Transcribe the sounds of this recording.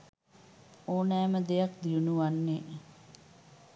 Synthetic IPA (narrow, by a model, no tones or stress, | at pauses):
oːnɛːməd̪ejakd̪ijunuʋanːe